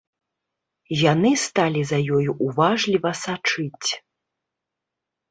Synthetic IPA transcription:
janɨst̪alʲizɐjɔjuʔuvaʐlʲivɐsat͡ʂɨt͡sʲ

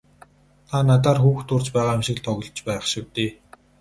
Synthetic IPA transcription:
t̪ʰanat̪aːrxuːxt̪ʊrt͡ɕpæːʁaːmʃɪ̆kɮt̪ʰɔɣɞ̆ɮt͡ɕpæːχʃɪwt̪eː

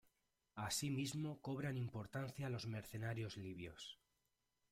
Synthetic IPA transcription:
asimizmo̞ko̞β̞ɾanimpo̞ɾt̪anθjalo̞zme̞ɾθe̞naɾjo̞zliβ̞jo̞̰s

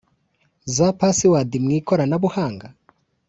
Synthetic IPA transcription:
zapasiwadimŋiːkoɾanaβuhaːŋɡa

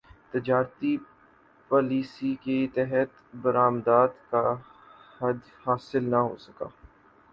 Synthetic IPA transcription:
t̪ɪd͡ʒaːɾt̪i | paːliːsiket̪ɛɦət̪bəɾaːmd̪aːd̪ka | hɐd̪ | haːsɪlnaɦo̰ːsɐka̰ː

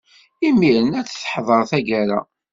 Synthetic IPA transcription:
imiɾənæt͡sːθħðˤəɾˤθæʝæɾa̰

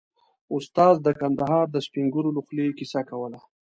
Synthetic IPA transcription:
ʊst̪ɑzd̪əkand̪aɦɑɾd̪əspiŋɡuɾolʊxlekisakawəla

